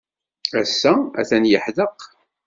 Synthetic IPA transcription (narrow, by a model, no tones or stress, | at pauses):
æsːææ̰θænjəħðəq